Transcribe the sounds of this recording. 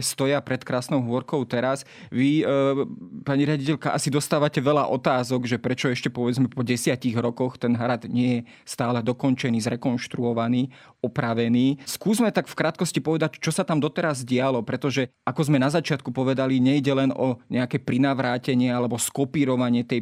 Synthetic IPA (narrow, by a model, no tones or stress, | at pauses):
st̪ɔjapɾɛt̪kɾaːsnɔʊɦʊɔɾkɔʊt̪ɛɾas | ʋi | paɲiɾɪaɟicɛʎkaʔasid̪ɔst̪aːʋacɛʋɛʎaʔɔt̪aːzɔɡʒɛpɾɛt͡ʃɔɛʃcɛpɔʋɛd͡zmɛpɔɟɛsɪaciɣɾɔkɔxt̪ɛnɦɾad̪ɲɪɛjɛ | st̪aːlɛd̪ɔkɔnt͡ʃɛniːzɾɛkɔnʃt̪ɾuɔʋaniː | ɔpɾaʋɛniːskuːzmɛt̪akfkɾaːt̪̚kɔscipɔʋɛd̪act͡ʃɔsat̪amd̪ɔt̪ɛɾazɟɪalɔpɾɛt̪ɔʒɛʔakɔzmɛnazat͡ʃɪat̪kupɔʋɛd̪aliɲɛjɟɛlɛnɔɲɛakɛpɾinaʋɾaːcɛɲɪɛalɛbɔskɔpiːɾɔʋaɲɪɛt̪ɛj